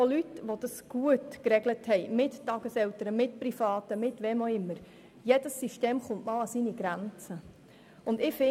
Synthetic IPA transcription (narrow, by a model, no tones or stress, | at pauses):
olytʋod̥ɑsɡ̥uətkɾɛɡləthɛɪmɪttɑɡ̥əsɛltəɾəmɪt̚prifɑːtəmɪtʋɛmoɪmːəɾ | jɛd̥əsːiʃteːmχʊntmɑːlɑsiniɡ̥ɾænt͡sə | ʊndɪːfɪ